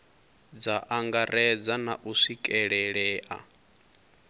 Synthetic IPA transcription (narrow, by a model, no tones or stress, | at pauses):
d͡zaʔaŋɡaɾɛd͡zanaʔusikʼɛɺɛɺɛːʔa̰